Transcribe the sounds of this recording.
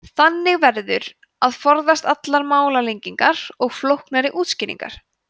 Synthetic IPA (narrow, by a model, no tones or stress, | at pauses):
θanːɪɣvɛɾðʏɾ | aðfɔɾðast̪at̪laɾmaːwlalejɲciŋkaɾ̥ɔɣflowhknaɾɪʔuːt̪scɪːnḭŋka̰ɾ̥